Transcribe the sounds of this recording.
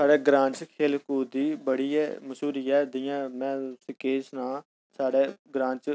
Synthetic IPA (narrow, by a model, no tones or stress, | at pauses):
saːɽɛːɡɾãːɲt͡ʃkʰeːlkuːd̪iːbəɽiːɛːməʃuːɾiːɛːd̪ɪjãːmɛ̃ːsɪkeːsnãː | saːɽeːɡɾãːɲt͡ʃ